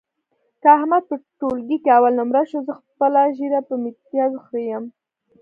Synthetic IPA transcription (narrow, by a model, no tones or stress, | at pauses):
kaahmad̪̚pəʈolɡikeawalnʊmɾaʃozəxpəlaʒiɾapəmit̪jɑzxɾejəm